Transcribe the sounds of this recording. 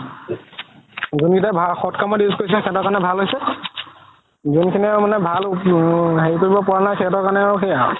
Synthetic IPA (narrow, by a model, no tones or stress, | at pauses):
zunɡitabʱaxɔtkamɔdiuskojsilkʰɛtɔɹkanɛbʱalɦojsɛ | zunkʰinimanɛbʱal | ɦeɹikoɹibɔpɔɹanakʰɛtɔkaɹnɛxeja̰